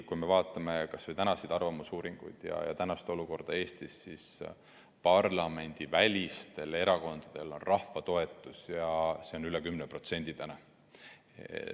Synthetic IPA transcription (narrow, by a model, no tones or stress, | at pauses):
kujme̞vɑːt̪ːˑɑme̞kɑsvojt̪ænɑsid̪̥ɑrvɑmusuːɾiŋɡ̥ṵjd̪̥jɑ̰jɑ̰t̪ænɑst̪o̞luko̞rd̪̥ɑe̞ːst̪isːis | pɑrlɑme̞nʲd̪̥ivælʲist̪e̞le̞ɾɑko̞nd̪̥ɑd̪̥e̞lo̞nrʔɑhvɑt̪o̞e̞t̪ːˑusjɑse̞o̞nylekymnepro̞t̪se̞nʲd̪̥id̪̥ænɑ